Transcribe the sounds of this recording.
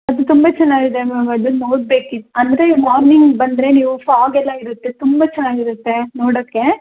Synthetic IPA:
ɐd̪ut̪umbɐt͡ʃɛnːaːɡid̪emɐɡɐd̪unoːɽ̚be̞ːkiɐnd̪ɾemaːɾniŋɡbɐnd̪ɾe̞niːʋufaːɡɛlːɐiɾut̪ːet̪umbɐt͡ʃɛnːaːɡiɾut̪ːe̞noːɽoːkːe̞

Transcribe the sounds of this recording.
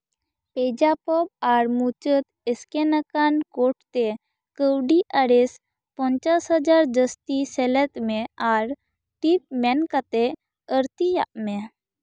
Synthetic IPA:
ped͡ʒapɔb̚aɾmut͡ʃət̪eskenəkankoʈt̪e | kəwɖiʔaɾes | pəɲt͡ʃasɦəd͡ʒaɾd͡ʒəst̪isɛlɛt̪meaɾ | ʈip̚mɛnkat̪e | əɾt̪ija̰ʔme

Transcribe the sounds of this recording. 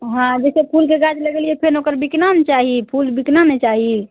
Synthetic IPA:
ɦãd͡ʒɛsepʰulkeɡad͡ʒləɡeliɛpʰenokəɾbiknant͡ʃaɦipʰulbiknanet͡ʃaɦi

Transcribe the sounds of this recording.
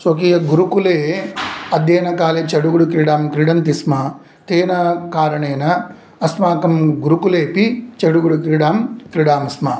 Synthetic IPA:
sokiːjɐɡuɾukuleːɐd̪jeːnɐkaːlet͡ʃɐɽuɡuɽukɾiɽaːmkɾiɽɐnt̪ismɐ | t̪eːnɐkaːɾɐɳeːnɐː | smaːkɐmɡuɾukuleːpit͡ʃɐɽuɡuɽukɾiɽaːmkɾiɽaːmɐsma

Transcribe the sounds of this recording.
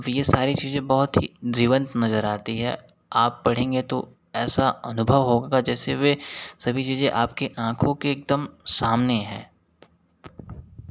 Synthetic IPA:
ɐbjesaːɾit͡ʃiːzẽbɔɦʊt̪ɦid͡ʒiːʋə̃nt̪nɐzəɾaːt̪iɦɛ̰ː | aːpːɐɽ̤ẽːŋɡet̪o | ɛːsaɐnʊbʱəʋɦoːɡad͡ʒɛːseʋesɐbʱit͡ʃiːzẽʔaːp̚keʔãːkʰõkeːk̚d̪əmsaːmneɦɛ̰̃ː

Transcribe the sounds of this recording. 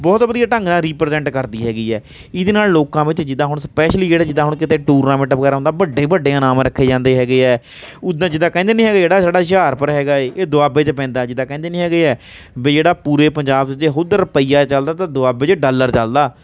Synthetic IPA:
bɔːt̪bəd̪ijaːʈə̃ŋɡnãːɾiːpɾzɛ̃ːɳʈkəɾd̪iːɦɛːɡiːɛː | ɪd̪eːnaːlloːkãːʋɪt͡ʃd͡ʒɪd̪ãːɦʊɳspɛːʃliːd͡ʒeːɽaːd͡ʒɪd̪ãːɦʊɳkɪt̪eːʈuːɾnaːmɪʈəpkəɾãːnd̪aːbəɖːeːbəɖːeːnaːmɾəkʰːeːd͡ʒãːnd̪eːɦɛːɡeːɛː | ʊd̪ãd͡ʒɪd̪aːkɛ̃ːnd̪eːnĩːɦɛːɡaːd͡ʒeːɽaːsaːɖaːʃ̬aːɾpəɾɦɛːɡaːeːeːd̪ʊaːbeːt͡ʃp̬ɛ̃ːnd̪aːd͡ʒɪd̪ãːkɛ̃ːnd̪eːnĩːɦɛːɡeːɛː | beːd͡ʒeːɽaːpuːɾeːpəɲd͡ʒaːbt͡ʃd͡ʒeːɦʊd̪əɾəpəiːaːt͡ʃəld̪aːt̪ãːd̪ʊaːbeːt͡ʃɖəlːəɾt͡ʃəld̪aː

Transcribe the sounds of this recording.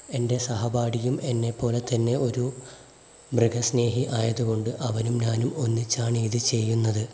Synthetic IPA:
e̞nde̞sɐɦɐbaːɽijume̞nːe̞pːo̞ːle̞t̪ɐnːe̞o̞ɾu | briɡɐsne̞ːɦiʔaːjɐðuɣo̞ɳɖɨʔɐʋɐnumnaːnumo̞nːit͡ɕːaːɳiːðɨt͡ɕe̞jːunːɐðɨ

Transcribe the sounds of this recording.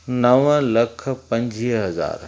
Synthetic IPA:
nɐʋə̃lɐkʰpɐ̃ɲd͡ʑiɦɐza̰ːɾ

